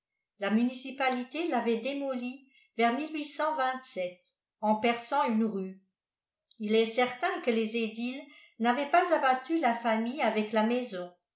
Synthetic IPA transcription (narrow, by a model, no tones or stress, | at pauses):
lamynisipalit̪elavɛd̪emɔli | vɛʁmilɥisɑ̃vɛ̃t̪sɛt̪̚ | ɑ̃pɛʁsɑ̃ynʁy | ilɛsɛʁt̪ɛ̃kəlezed̪il | navɛpazabat̪ylafamijavɛklamɛzɔ̃